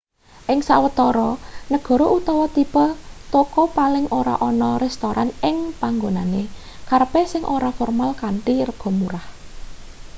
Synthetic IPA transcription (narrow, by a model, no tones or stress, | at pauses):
ʔɪŋsawət̪ɔɾɔnəɡ̥ɔ̤ɾoʔut̪ɔwɔt̪ipɔt̪okɔpalɪŋʔoɾa̰ʔɔnɔrɛst̪oɾʔanɪŋpaŋɡonane | karpɛsɪŋʔoɾafɔrmalkaɳʈirəɡ̥ɔ̤muɾah